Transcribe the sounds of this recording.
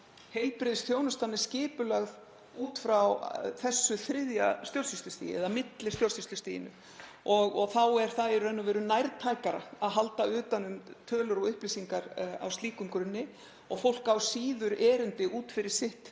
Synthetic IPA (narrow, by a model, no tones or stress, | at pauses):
hejlpɾɪðst̪ʰjownʏst̪anːɛ̥scɪːpʏlɛɣð | uːt̪fɾawθɛsːʏθɾɪðjast̪jowlsist̪lʏst̪ḭjɪ̰ɛ̰ðamɪt̪lɪ̥st̪jowlsist̪ʏst̪ḭːjɪ̰nʏ̰ | ɔɣɔɣθawɛɾ̥θaðɛɾʏɾɛnːʏvɛːɾʏnajɾt̪ʰaːjkaɾaaðɦalt̪aʏːt̪anʏmt̪ʰœːlʏɾɔɣʏhplisiŋkaɾa̰wst̪liːkʏmkɾʏnːɪ | ɔɣfowl̥kawsiːðʏɾɛːɾʏnt̪ɪʔuːt̪fɪɾɪɾ̥sɪht̪